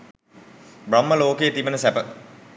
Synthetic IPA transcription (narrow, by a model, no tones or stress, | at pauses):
bromːəloːkeːt̪ibənəsæpə